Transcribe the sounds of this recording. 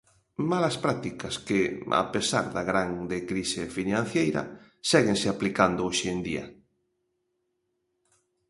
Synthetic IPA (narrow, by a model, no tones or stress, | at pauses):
malaspɾat̪ikaskea̰pesa̰ɾðaɣɾaŋd̪ekɾisefinãn̟θjejɾa̰ | sɛɣenseaplikand̪ooʃend̪ia̰